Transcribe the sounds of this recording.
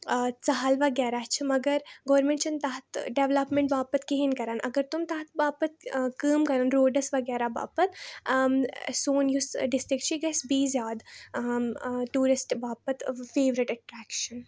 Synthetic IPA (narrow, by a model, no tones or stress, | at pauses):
t͡sɐɦalʋɐɡɛːɾaːt͡ʃʰimɐɡɐɾɡɐːɾmẽɳʈt͡ʃʰɐnt̪ɐɦɐt̪ʰɖeʋlɐpmẽɳʈbaːpɐt̪keɦinkɐɾaːnʔɐ̰ɡɐɾt̪umt̪ɐɦɐt̪̚ʰbaːpɐt̪̚kəːmkɐɾaːnɾoːɖɐsʋɐɡɛːɾaːba̰ːpɐt̪ | soːnjusɖɪsʈɾɪk̚t͡ʃʰiɡɐsbiːzʲjaːd̪ | ʈuːɾɪsʈbaːpɐt̪feːʋɾɪʈɐʈɾæːkʃɐn